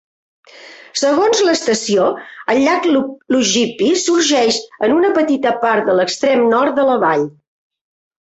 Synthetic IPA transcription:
səɣonzləst̪əsioəlːaklluʒipisuɾʒɛʃənunəpət̪it̪əpaɾt̪̚d̪ələkst̪ɾemnɔrt̪̚d̪ələβaʎ

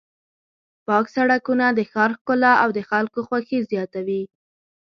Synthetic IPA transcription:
pɑksaɽakunad̪əxɑɾkʊlaawd̪əxalkoxwaxezjɑt̪awi

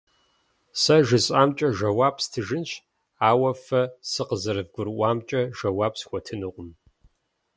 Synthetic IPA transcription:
sɐʒɪɕʼaːmt͡ʃʼɐʒɐwaːbstʰɨʒɨnɕ | aːwɐfɐsɨqəzɐɾɨvɡʷʊɾʔʷaːmt͡ʃʼɐʒɐwaːbsxʷɔtʰɨnɨqʷʼʊm

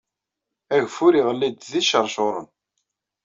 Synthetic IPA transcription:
æʝfʊɾiʁəlːid̪ðiʃəɾˤʃoɾˤə̰n

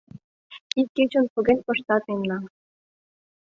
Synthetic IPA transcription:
ikːet͡ɕŏnpuɡʲenʲpɤ̆ʃt̪ɑt̪memnɑ

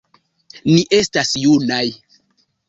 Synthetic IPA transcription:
niʔe̞stasjunaj

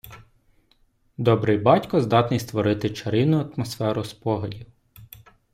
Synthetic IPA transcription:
d̪ɔbɾɪjbɑtʲkɔzd̪ɑt̪nʲijst̪ʋɔɾɪt̪ɪt͡ʃɐɾɪnʊɐt̪mɔsfɛɾʊspɔɦɔdʲiw

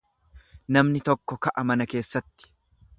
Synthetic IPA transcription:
nɐmnɪt̪ɔkːɔkɐʔɐmɐnɐke̞ːsːɐt̪ːɪ̥

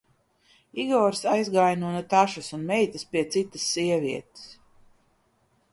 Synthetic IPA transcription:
iɡɔːɾsajzɡajnuɔnut̪aʃusunmɛjt̪ɐspʲiɛt̪sit̪ɐ̥sːiɛviɛt̪e̥s

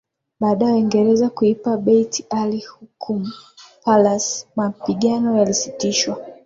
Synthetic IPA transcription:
ɓaːɗajwiŋɡɛɾɛzakuipaɓɛitialihukʰum̩palasmapiɠanɔjalisitiʃwa

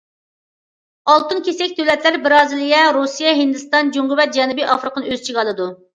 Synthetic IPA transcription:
ɑlˠt̪ɨnkʲʰesɛkʲd̪øwlɛt̪ʰlæɾbɪɾɑːzɨlˠijɛɾusijɛɦind̪ɨst̪ɑnd͡ʒuŋʁʊwɛt̪̚d͡ʒɛnubiʔɑfɾɨqʰənɨøzt͡ʃʰiʁɑlˠɨd̪u

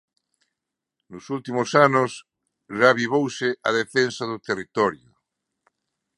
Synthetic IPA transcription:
nʊsult̪imosanʊs | ʒaβiβ̞owseʔa̰ð̞efensaðot̪erit̪ɔɾjʊ

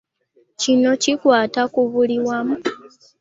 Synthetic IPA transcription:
cino̞cikwaːtakuβuliwamu

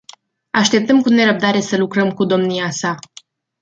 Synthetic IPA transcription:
aʃt̪e̞p̚t̪əmkune̞ɾəb̚d̪aɾe̞səlukɾəmkud̪o̞mniasa

